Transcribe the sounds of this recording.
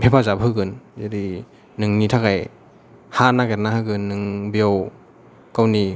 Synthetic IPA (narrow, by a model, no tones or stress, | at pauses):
bʰʱepazabɦɯɡɯnzadi | nɯŋnitʰaɡaj | hanaɡetnaɦɯɡɯnːɯŋbijaw | kawni